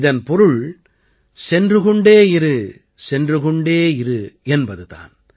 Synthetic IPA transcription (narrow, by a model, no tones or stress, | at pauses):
ðɐnpɔɾɯɭ | sɛndrɯɣɔɳɖeːɪɾɯ | sɛndrɯɣɔɳɖeːɪɾɯɛnbɐðɯða̰ːn